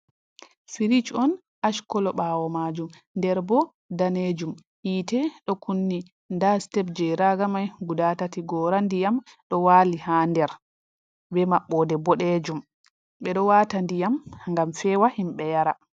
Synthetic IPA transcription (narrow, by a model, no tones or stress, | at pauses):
fiɾit͡ʃɔn | ʔaʃkɔlɔɓawɔmad͡ʒum | ndɛɾbɔ | daned͡ʒum | hiːtɛɗɔkunːi | ndastɛbd͡ʒɛɾaɡamajɡudatatiɡɔɾandijamɗɔwaːlihandɛɾ | bɛmaɓːɔdɛbɔɗed͡ʒum | ɓɛɗɔwaːtandijamŋɡamfɛwahimɓɛjaɾa